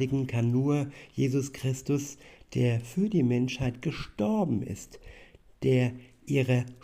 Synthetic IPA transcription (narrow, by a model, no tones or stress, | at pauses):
ɪɡŋ̩kʰanːuːɐjeːzʊskʁ̥ɪstʊsd̥eːɐfyːɐdiːmɛnʃhaɪtɡ̥əʃtɔɐbm̩ɪ̰std̥eːɐʔiːʁə